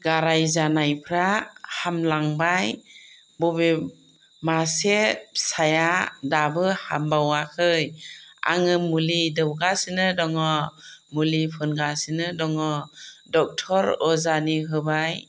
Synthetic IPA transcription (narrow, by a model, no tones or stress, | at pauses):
ɡaɾajzanajpʰɾahamlaŋbaj | bɔbe | masesajadabɯha̰mbawakʰɯja̰ŋɯmulidɯwɡasɯnɯdɔŋɔmulipʰɯnɡasinɯdɔŋɔdɔk̚tʰɔɾɔzaniɦɯbaj